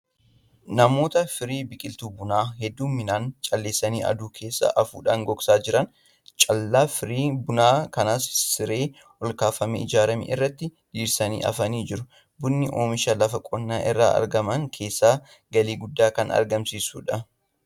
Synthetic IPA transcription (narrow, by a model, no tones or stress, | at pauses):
nɐmo̞ːt̪ɐfɪɾiːbɪkʼɪlt̪uːbʊnaːhɛd̪ːuːmːɪnaːnt͡ʃʼɐlːeːsːɐniːʔɐ̰d̪uːkʰe̞ːsːa̰ʔɐfṵːᶑaːŋɡɔksaːd͡ʒɪɾɐn | t͡ʃʼɐlːaːfɪɾiːbʊnaːkɐnaːsːɪɾe̞ː | ɔlkaːfɐmḛːɪd͡ʒaːɾɐmḛːɪrːɐt̪ːɪd̪iːɾsɐnḭːʔɐ̰fɐniːd͡ʒɪɾʊ | bʊnːɪʔo̰ːmɪʃɐlɐfɐkʼɔnːaːʔɪrːa̰ːɐ̰ɾɡɐmɐŋkʰe̞ːsːaː | ɡɐliːɡʊd̪ːaːkɐ̰nɐ̰ɾɡɐmsiːsṵːᶑɐ